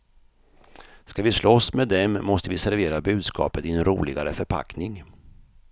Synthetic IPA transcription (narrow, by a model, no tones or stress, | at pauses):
skavɪslɔsmeːd̪ɛmːɔst̪əvɪsæɾveːɾabʉ̟ːd̪skɑ̰ːpət̪ɪɛnɾuːlɪɡaɾəfœɾpʰa̰knɪŋ